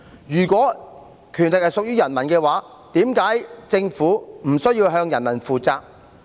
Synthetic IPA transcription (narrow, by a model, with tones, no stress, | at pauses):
jyː˨˩kwɔː˨˥ | kʰyː˨˩nlɪ˨k̚hɐ˨jsʊ˨k̚jyː˥jɐ˨˩nmɐ˨˩nkɛː˧waː˨˥ | t̪iː˨˥mkaː˨˥jt͡sɪ˧ŋfuː˨˥m̩˨˩sɵ˥ɥjiː˧wɦœː˧ŋjɐ˨˩nmɐ˨˩nfuː˨t͡saː˧k̚